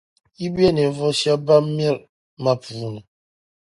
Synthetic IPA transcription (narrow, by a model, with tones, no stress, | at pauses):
i˦bɛ˦nɛ˨˦vɔ˦sja˦ba˦m˦ɛ˦˨l | ma˦˨pu˨˦nɛ˨